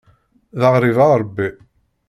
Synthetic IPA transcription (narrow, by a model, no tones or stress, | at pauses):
ðəʁɾˤivaɾˤəbːi